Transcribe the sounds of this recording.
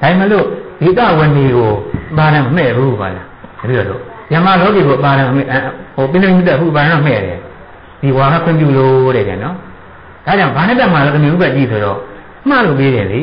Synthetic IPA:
d̥a˨ɪ̃˨mɛ˦˨lo˦˨d̥e˨ət̪a̰˦˨wɪ̃˨ne˨ɣo˨ʔəpa˨ɾã˨məm̥ɛ˦˨bu˦bɔ̰˦˨la˨˦ɡ̥əbi˦˨ɾɔ˨lo̰˨ | bjã˨ma˨lɔ˦ɡe˨ɣo˨ʔə˨pa˨ɾã˨mə˨mɛ˦˨ʔho˨pɪ̃˦nd̪mĩ˦mə˦t̪̬ɛ˦˨ʔpʰːu˦˨ʔpa˨ɾã˦ɔ˦˨mɛ̰˦˨ɾɛ˨ | d̥i˨wa˨ɣa̰˦˨kʰwɪ̃˦˨mp̬jṵ˦˨lo˦ɾɛ˨bjã̰˨nɔ˦ | d̥a˦˨d͡ʑã˦ʊ̃ba˨nɛ˦ta˦˨ma˨lɔ˦t̪u˨mjo˨u˦bɛ˦ʔt͡ɕḭ˦˨sʰo˨ɾɔ̰˦˨ | ma̰˦˨lo˨pe˦zɛ̃˨lḭ˨

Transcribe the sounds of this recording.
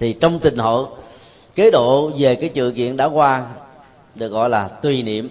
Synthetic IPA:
t̪ʰi˨˩t͡ɕɔ˧wŋ͡mt̪ï˨˩ŋ̟ɦo̰ː˧˨ | ke˨˦ɗo̰˧˨ve˨˩kaː˨˦jt͡ɕɨ̰˧˨əkḭ˧˨ənɗa̰ː˧˥kwaː˧ | ɗɨ˨˩ək̚ɣɔ̰˧˨jlaː˨˩t̪wi˨˩nḭ˧˨əm

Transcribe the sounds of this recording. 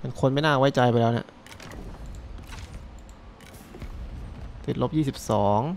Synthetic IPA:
pa˧nkʰo˧nma˥˩jnaː˥˩wa˦˥˩jt͡ɕa˧jpa˧jlɛː˦˥˩na̰˦˥˩ʔ | t̪i˨˩t̪̚lo˦˥p̚jiː˥˩si˨˩p̚sɔː˩˦ŋ

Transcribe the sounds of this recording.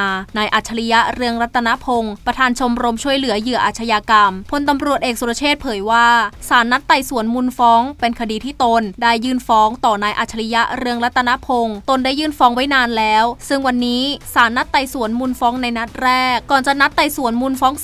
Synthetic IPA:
naː˧jʔaː˨˩t̪̚t͡ɕʰa˧li˦˥ja˦˥ɾɯ˧əŋɾa˦˥t̪ʰːa˧na˦˥pʰo˧ŋpɾa˧t̪ʰaː˧nt͡ɕʰo˧mɾo˧mt͡ɕʰu˥˩əjlɯ˩˦ɐjɯ˨˩˦ɐʔa̰ː˨˩t͡ɕʰa˧jaː˧ka˧mpʰo˧nt̪a˧mɾu˨˩ət̪ʔeː˨˩k̚su˨˧a˧t͡ɕʰeː˥˩t̪̚pʰɤː˩˦jwaː˥˩saː˩˦nːa˦˥t̪ːa˨˧˩jsu˨˩˦ənmu˧nfɔː˦˥ŋpe˧nkʰa˧diː˧t̪ʰiː˥˩t̪o˧ndaː˥˩jːɯː˥˩nfɔː˦˥ŋt̪ɔː˨˩naː˧jʔaː˨˩t̪̚t͡ɕʰa˧li˦˥ja˦˥ʔɾɯ˧əŋɾa˦˥t̪ʰːa˧na˦˥pʰo˧ŋt̪o˧ndaː˥˩jːɯː˥˩nfɔː˦˥ŋwa˦˥jnaː˧nlɛː˦˥wsɯ˥˩ŋwa˧nːiː˦˥saː˩˦nːa˦˥t̪ːa˨˧˩jsu˨˩˦ənmu˧nfɔː˦˥ŋna˧jna˦˥t̪̚ɾɛː˥˩kːɔː˨˩nt͡ɕa˨˩ʔna˦˥t̪ːa˧˩jsu˨˩˦ənmu˧nfɔː˦˥ŋ

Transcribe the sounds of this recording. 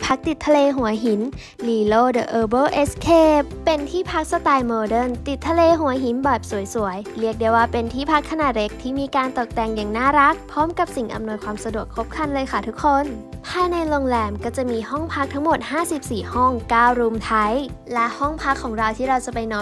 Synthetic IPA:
pʰa˦˥k̚t̪i˨˩t̪ʰːa˧leː˧ɦu˨˩˦ɐɦi˩˦n | liː˧˩loː˥˩dɤː˨˩ʔɤː˧bɤː˥˨ʔe˦˥skʰeː˧˥˩ | pe˧nt̪ʰiː˥˩pʰa˦˥k̚sa˧t̪aː˧jmɤː˧dɤ˥˩nt̪i˨˩t̪ʰːa˧leː˧ɦu˨˩˦ɦi˩˦nbɔː˨˩jp̚su˨˩˦jsu˩˦əjɾi˥˩ək̚de˧wːaː˥˩pe˧nt̪ʰiː˥˩pʰa˦˥kʰːa˧naː˨˩le˦˥k̚t̪ʰiː˥˩miː˧kaː˧nt̪o˨˩k̚t̪ɛː˨˩ŋjaː˨˩ŋnaː˥˩ɾa˦˥k̚pʰɔː˦˥mka˨˩p̚si˨˩ŋʔa̰˧mnu˧əjkʰwaː˧msa˧du˨˩əkʰːo˦˥p̚kʰa˧nlɤː˧jxʰa˥˩t̪ʰu˦˥kʰːo˧˩nt̪ʰaː˥˩na˧jlo˧ŋlɛː˧mkɔː˥˩t͡ɕa˨˩miː˧ɦɔ˥˩ŋpʰa˦˥k̚t̪ʰa˦˥ŋmo˨˩t̪̚haː˥˩si˨˩p̚siː˨˩hɔ˥˩ŋkaː˥˩wɾuː˧mt̪ʰa˦˥jlɛ˦˥ʔhɔ˥˩ŋpʰa˦˥kʰːɔː˩˦ŋɾa˧wt̪ʰiː˥˩ɾa˧wt͡ɕa˨˩pa˧jnɔː˧

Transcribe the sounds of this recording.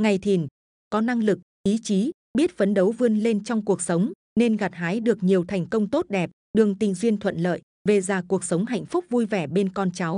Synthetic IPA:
ŋa˨˩jt̪ʰi˨˩n | kɔ˨˦na˧ŋlɨ˨˩k̚ʔi˨˦t͡ɕi˨˦ | ɓi˦˥ət̚fə˨˦nɗə˨˦wvɨ˧ənle˧nt͡ɕɔ˧wŋ͡mku˨˩ək̚sə˨˦wŋ͡m | ne˧nɣa˨˩t̚ɦaː˨˦jɗɨ˨˩ək̚ɲi˨˩əwt̪ʰa˨˩jŋ̟kə˧wŋ͡mt̪o˦˥t̚ɗɛ˨˩p̚ | ɗɨ˨˩əŋt̪ï˨˩ŋ̟zwi˧ənt̪ʰwə̰˧˨nlə̰ː˧˨j | ve˨˩zaː˨˩ku˨˩ək̚sə˨˦wŋ͡mɦa̰˧˨jŋ̟fʊ˦˥k͡p̚vu˧jvɛ˧˩ɓe˧nkɔ˧nt͡ɕa˨˦w

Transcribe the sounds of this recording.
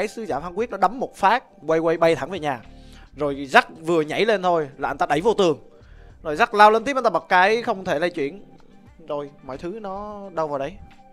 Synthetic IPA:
aː˨˦jsɨ˨˦zaː˧˩fa˧nkwi˦˥ət̚nɔ˨˦˥ɗə˨˦mːo˨˩t̚faː˦˥t̚kwə˧jwə˧jɓə˧jt̪ʰa˧˩ŋve˨˩ɲaː˨˩ | zo˨˩jza˦˥t̚vɨ˨˩əɲa̰˧˩jle˧nt̪ʰo˧jla̰ː˨˧˩nt̪aː˧ɗə˧˩jvo˧t̪ɨ˨˩əŋ | zo˨˩jza˦˥k̚laː˧wlə˧nt̪i˦˥p̚ʔt̪aː˧˨ɓa˨˩t̚kaː˨˦jxə˧wŋ͡mt̪ʰe˧˩lə˧jt͡ɕwḭ˧˩˨ən | zo˨˩jmɔ̰˧˨jt̪ʰɨ˨˦nɔ˨˦ɗə˧wvaː˨˩wɗə˨˦j

